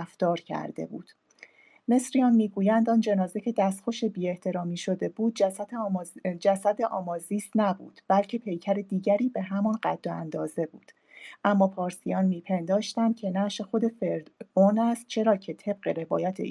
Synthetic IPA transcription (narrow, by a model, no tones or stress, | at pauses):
ft̪ɒːɾcʰæ̰ɾd̪e̞̰bṵːd̪̥ | me̞sɾiɒnmiːɡuːjænd̪ɒːnd͡ʒe̞nɒːze̞cʰe̞d̪æst̪xo̞ʃebiːe̞ht̪ʰe̞ɾɒːmiːʃo̞d̪e̞buːd̪̚ | d͡ʒæsæd̪e̞ʔɒːmɒːziːsnæbṵːd̪̥b̥ælcʰe̞pʰe̞jcʰæɾe̞d̪iːɟæɾiːbe̞ɦæmɒnɢæd̪̥ːoænd̪ɒːze̞bṵːd̪̥ | ʔæmːɒːpʰɒːɾsijɒːnmiːpʰe̞nd̪ɒːʃt̪ænd̪̥cʰe̞næʃe̞xo̞d̪e̞feɾd̪onæst̪̚t͡ʃʰe̞ɾɒːcʰe̞t̪ʰe̞b̥̚ɢe̞ɾe̞vɒ̰ːjæt̪ʰḛ